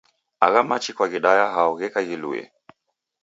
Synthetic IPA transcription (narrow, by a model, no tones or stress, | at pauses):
aɣamat͡ʃikwaɣiɗajaɦaɔɣɛkaɣilṵɛ̰